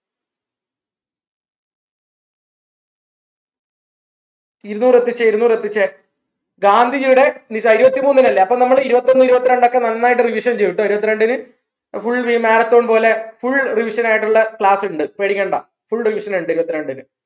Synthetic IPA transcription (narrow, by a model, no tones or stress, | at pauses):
iɾunuːret̪ːit͡ɕːɐiɾunuːɾet̪ːit͡ɕːɐ | ɡaːnd̪ʱid͡ʑuɽe̞nisaiɾubɐt̪ːimuːnːinɐlːeɐpːomnɐmːɐɭiɾubɐt̪ːo̞nːɨiɾubɐt̪ːiɾe̞ɳɖo̞kːenɐnːaːjiʈːɨriʋiʂɐnt͡ɕejːiʈːuɐiɾubɐt̪ːiɾe̞ɳɖinɨ | fuɭʋiːmeːɾɐt̪ːo̞ːɳpo̞ːle̞fuɭriʋiʂɐnaːjiʈːuɭːɐkɭaːsuɳɖɨpeɽiɣɐɳɖɐ | fuɭriʋiʂɐneɳɖɨiɾubɐt̪ːiɾeɳɖinɨ